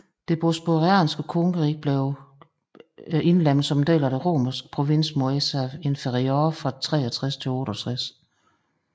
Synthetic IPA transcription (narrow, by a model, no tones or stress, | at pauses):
d̥e̝b̥osb̥oʁiæ̰ːnsɡ̥əkʰɔŋəʁiɡ̥̚b̥leʊ | e̝nlem̰l̩sɒmd̥ḛːlɐɾ̥eʁo̝̰ːmɐsɡ̥əpʰʁo̝ʋe̝n̰smo̝esæe̝nfeʁioːfɑ̈t͡sʰʁɛ̰ːɐt͡sʰʁɛst͡sʰe̝lɔ̽ːɾəɒt͡sʰʁas